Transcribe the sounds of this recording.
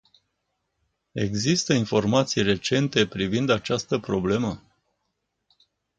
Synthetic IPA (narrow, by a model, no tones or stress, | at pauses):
e̞ɡzist̪əinfo̞rmat̪sijre̞t͡ʃe̞nt̪e̞pɾivind̪at͡ʃast̪əpɾo̞ble̞mə